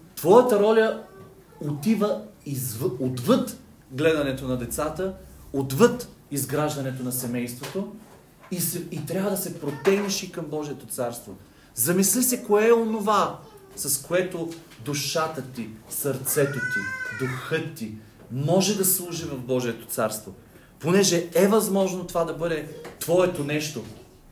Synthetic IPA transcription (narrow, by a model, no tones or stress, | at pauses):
t̪vɔjət̪əɾɔlʲɐ | ot̪ivəizvod̪vɤt̪ | ɡlɛd̪ɐnɛt̪onɐd̪ɛt̪sat̪əod̪vɤt̪ | izɡɾaʒd̪ɐnɛt̪onɐsɛmɛjst̪vot̪o | iɛit̪ɾʲjavəd̪ɐsɛpɾot̪ɛɡniʃikɐmbɔʒiɛt̪ot̪saɾst̪vo | zɐmislʲisɛkoɛɛonovasɐskoɛt̪o | d̪uʃat̪ət̪isɐɾt̪sɛt̪ot̪id̪uxɤt̪ːi | mɔʒɛd̪ɐslˠuʒivɐvbɔʒiɛt̪o̥t̪saɾst̪vo | ponɛʒɛɛvɐzmɔʒnot̪ovad̪ɐbɤd̪ɛt̪vɔɛt̪onɛʃt̪o